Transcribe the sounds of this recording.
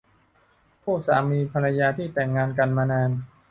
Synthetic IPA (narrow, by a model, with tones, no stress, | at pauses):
pʰuː˥˩k̚sa̰ː˩˦miː˧pʰa˧ɾa˧jaː˧t̪ʰiː˥˩t̪ɛ˨˩ŋːaː˧nka˧nmaː˧naː˧n